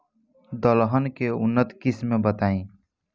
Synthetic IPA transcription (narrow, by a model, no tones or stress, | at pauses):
d̪əlɦənkeunːət̪kismːebət̪aĩ